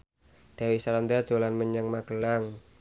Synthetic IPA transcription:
d̪̥a̤wisaɾand̪ad̥ʒ̥o̤lanməɲəŋmaɡ̥əlaŋ

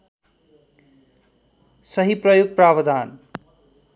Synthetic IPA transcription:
sʌɦiprʌjuɡ̚prabʌd̪an

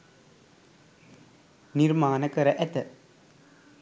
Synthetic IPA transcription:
nirmaːnɐkɐɾɐʔɛt̪ɐ

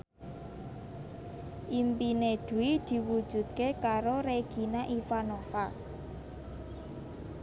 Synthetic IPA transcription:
ʔimpined̪̥ṳid̪̥i̤wud̥ʒ̥ṳd̪̥̚kekaɾoɾeɡ̥i̤naʔifanofa

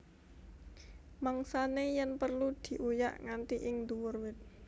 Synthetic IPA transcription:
maŋsanejɛnpərlud̪̥i̤ʔuja̰ʔŋant̪iʔɪŋnd̪uwʊrwɪt̪̚

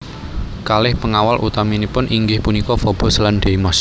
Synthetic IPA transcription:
kalɪhpəŋawalʔṵt̪aminipʊnʔiŋɡɪhpunikɔfɔb̥ɔ̤slanɖ̥eimas

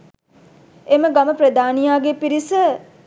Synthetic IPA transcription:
eməɡaməpɾəd̪aːnijaːɡepiɾisə

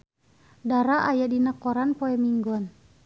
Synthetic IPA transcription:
daɾaʔajadinakɔɾanpɔɛmiŋɡɔn

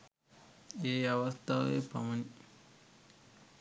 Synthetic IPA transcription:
eːɐʋɐst̪ʰaʋḛːpɐ̰mɐni

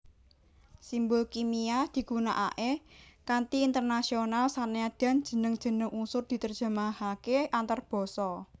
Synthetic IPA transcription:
simbolkimiad̪̥i̤kuna̰ʔa̰ʔekant̪iːnt̪ərnasionalsanead̪̥a̤nd̥d͡ʒ̥ə̤nəŋd̥ʒ̥ə̤nəŋʔusʊrd̪̥i̤t̪ərd̥ʒ̥a̤mahakeʔant̪arb̥ɔ̤sɔ

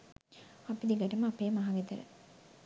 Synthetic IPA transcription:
ɐpid̪iɡɐʈɐmɐɐpeːmaɦɐʋit̪ɐ̰ɾɐ̰

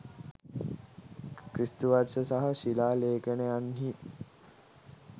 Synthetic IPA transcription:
kɾist̪uʋarʃəsaɦɐʃilaːleːkeneanɦi

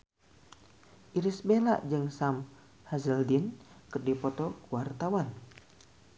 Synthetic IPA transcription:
ʔiɾisbela̰ʔd͡ʒɨŋsam | hazəldinkɨrdipɔt̪ɔkuwart̪awan

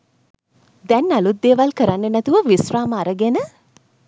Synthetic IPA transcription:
d̪ɛnːalut̪̚d̪eːʋalkəɾanːenɛt̪uʋəʋisraːməaɾəɡenə

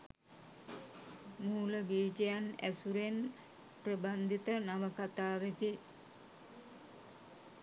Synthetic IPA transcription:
muːləɡiːd͡ʒejanæ̰suɾen | prəband̪ʱit̪ənaʋəkat̪aːʋeki

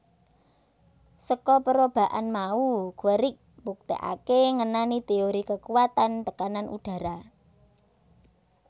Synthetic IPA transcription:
səkɔpəɾob̥a̤ʔa̰nmauɡ̥əɾɪk̚mbuk̚t̪ḛʔa̰keŋənanit̪eoɾikəkuwat̪ant̪əkananʔṵɖ̥ä̤ɾa

